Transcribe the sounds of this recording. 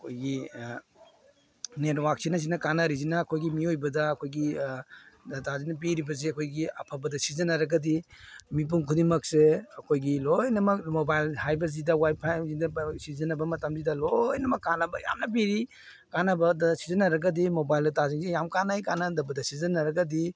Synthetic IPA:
ɐɐkʰojɡi | nenwaksinɐs̬inɐkanɐɾizinɐːkʰojɡimiojbɐdɐːkʰojɡi | tazinɐp̬iɾibɐz̬eɐkʰojɡiɐpʰɐbɐdɐsizɐnɐɾɐɡɐdimip̬umkʰudiŋmɐk̚seɐkʰojɡilojnɐmɐkmobajlhajbɐzidɐwajpʰajzidɐsizɐnɐbɐmɐtɐmzidɐlojnɐmɐkːanɐbɐja̰mnɐp̬iɾi | kanɐbɐdɐsizɐnɐɾɐɡɐdimobajldɐtaziŋsejamkanajkanɐdɐbɐdɐsizɐnɐɾɐɡɐdi

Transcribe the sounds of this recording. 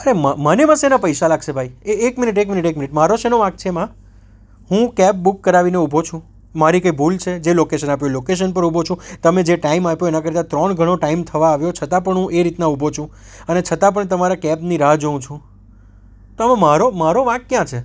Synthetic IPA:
əɾeməmənemãsenapəjʃalaɡʃebʱaieːkmɪniʈ̬ekminiʈekmɪniʈmaɾoʃenoʋãk̚t͡ʃʰemã | ɦũkɛp̚bukːəɾaʋineubʱot͡ʃʰũ | maɾikaibʱult͡ʃʰed͡ʒelokeʃənapjolokeʃ̬ənpəɾubʱot͡ʃʰũt̪əmed͡ʒeʈaimapjoenakəɾt̪ãt̪ɾɔɳɡʱəɽ̃oʈaimt̪ʰəʋaːʋjot͡ʃʰət̪ãp̬əɳɦũʔeɾit̪naubʱot͡ʃʰũ | ənet͡ʃʰət̪ãp̬əɳt̪əmaɾakɛbniɾad͡ʒəũt͡ʃʰũ | t̪oamãmaɾomaɾoʋãkkjãt͡ʃʰe

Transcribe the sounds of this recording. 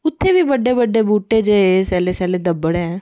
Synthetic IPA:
ʊt̪ʰːebiːbəɖːebəɖːebuːʈeːd͡ʒeesɛːlesɛːled̪əbːəɽɦɛ̃ː

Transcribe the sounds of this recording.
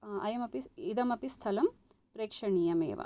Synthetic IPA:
ɐ̰jɐmɐpiid̪ɐmɐpist̪ʰɐlɐm | pɾeːkʂɐɳijɐmḛːʋɐ̰

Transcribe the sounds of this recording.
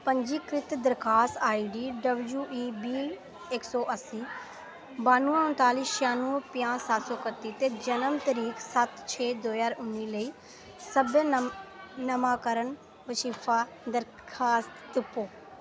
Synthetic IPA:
pəɲd͡ʒiːkɾɪt̪d̪əɾkʰaːst̪aːiːɖiːɖəbljuːʔiːbiː | ɪksɔːʔəsiː | baːnuːãːʊ̃nt̪aːliːʃjaːnuːpɪjãːsat̪soːkəɾt̪iːt̪eːd͡ʒənəmt̪əɾiːksət̪t͡ʃʰeːd̪oːjaːɾʊnːiːləiː | səbə | nəmaːkəɾən | ʋəʃipʰaː | d̪əɾ | kʰaːst̪t̪ɪpːoː

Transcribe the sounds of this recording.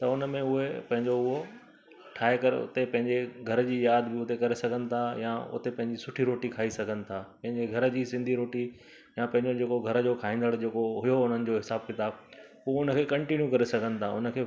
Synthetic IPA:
t̪ɐʊnəmẽʊɦepɐ̃ɦɪ̃ɲd͡ʑoʊɦo | ʈʰaːekɐɾʊ̰t̪epɐ̃ɦɪ̃ɲd͡ʑeɡʱɐɾd͡ʑiːjaːd̪bɪʊt̪ekɐɾesɐɡʱənɪ̆t̪ʰajã̰ʊ̰t̪epɐ̃ɦɪ̃ɲd͡ʑisʊʈʰiɾoːʈikʰaːisɐɡʱənɪ̆t̪ʰaːpɐ̃ɦɪ̃ɲd͡ʑeɡʱɐɾd͡ʑiːsɪ̃nd̪ʱiɾoːʈi | jãpɐ̃ɦɪ̃ɲd͡ʑod͡ʑeːkoɡʱɐɾəd͡ʑoːkʰaːɦĩːnd̪əɽd͡ʑeːkoɦʊjoʊn̤ənɪ̆d͡ʑoːɦɪsaːb̚kɪt̪aːb | ʊʊnə̆kʰeːkɐ̃ɳʈinjukɐɾesɐɡʱənɪ̆t̪ʰaʊnə̆kʰeː

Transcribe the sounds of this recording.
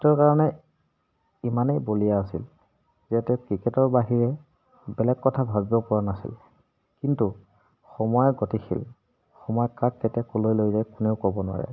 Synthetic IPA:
tɔɹkaɹɔnɛ | imanejbolijaasḭl | zɛtɛkɹikɛtɔɹbaɦiɹɛ | bɛlɛɡ̚kɔtʰabʱabibɔpɔɹanasḭl | kintu | xɔmɔjɛɡotixʰḭl | xɔmɔjɔkakːɛtiakolojlojzajkʊneʊkobɔnʊwa̰ɹɛ̰

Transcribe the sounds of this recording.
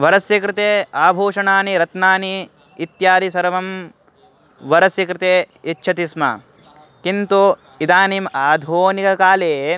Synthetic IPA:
ʋɐɾɐsjɐkɾɪt̪eːaːbʱoːʂɐɳaːniɾɐt̪naːniː | t̪jaːd̪isɐɾɐʋɐm | ʋɐɾɐsjɐkɾɪt̪eːitːt͡ʃʰɐt̪ismɐ̰ | kint̪u | id̪aːnimaːd̪ʱoːnikɐkaːleː

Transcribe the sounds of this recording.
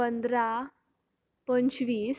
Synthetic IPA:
ənd̪ɾa | pənt͡ɕʋiːs

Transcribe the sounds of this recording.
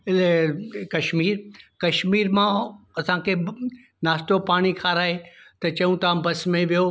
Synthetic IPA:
ɪlekɐʃmiːɾkɐʃmiːɾmã | ɐsãkʰe | naːst̪opaːɽ̃ikʰaːɾaːet̪ɐt͡ɕɐjũt̪abɐsmẽʋijo

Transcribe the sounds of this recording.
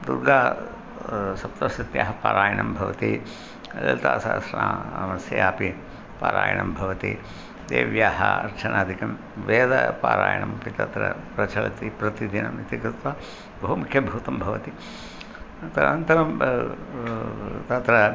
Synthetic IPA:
d̪uɾɡaː | sɐpt̪ɐsɐt̪jaːɦɐpaːɾaːjɐɳɐmbʱɐʋɐ̰t̪i | lɐlt̪aːsaːsɐɳaːmɐsjɐjaːpi | paːɾaːjɐ̰ɳɐmbʱɐʋɐt̪ḭ | d̪ḛːʋjaːɦɐ̰ɐ̰ɾt͡ʃʰɐnʔaːd̪ʱikɐm | ʋeːd̪ɐpaːɾaːjɐɳɐmpit̪ɐt̪ɾɐ̰pɾɐt͡ʃɐɭɐt̪ipɾɐt̪id̪inɐmit̪ikɾɪt̪ʋɐ | bɐɦumukʰjɐbʱɐut̪ɐmbʱɐʋɐt̪i | t̪ɐnɐnt̪ɐɾɐm | t̪ɐt̪ɾɐ

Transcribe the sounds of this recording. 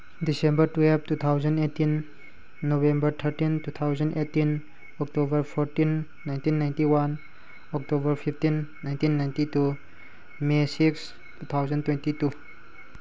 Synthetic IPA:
disembɐɾtuep̚tut̪ʰawzɐnetːinː | oβembɐɾt̪ʰɐɾtintut̪ʰawzɐnetːin | ɔk̚tobɐɾpʰoɾtinː | ajntinːajntiwan | ɔk̚tobɐɾpʰipʰtinːajntinːajntitu | mesiks | tut̪ʰawzɐntwentitu

